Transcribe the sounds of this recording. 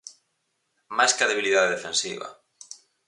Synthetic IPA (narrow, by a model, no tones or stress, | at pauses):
majskɐðeβiliðaðeðefensiβɐ̰